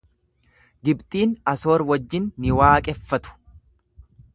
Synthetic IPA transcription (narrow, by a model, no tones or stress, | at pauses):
ɡɪbt̪ʼiːnɐso̞ːɾwɐd͡ʒːɪnːɪwaːkʼɛfːɐt̪ʊ̥